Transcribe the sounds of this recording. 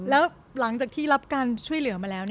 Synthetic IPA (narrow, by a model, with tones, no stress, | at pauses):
lɛː˦˥w | la˩˦ŋt͡ɕaː˨˩k̚t̪ʰiː˥˩la˦˥p̚kaː˧nt͡ɕʰu˥˩əjlɯ˨˩˦ɐmaː˧lɛː˦˥wni˥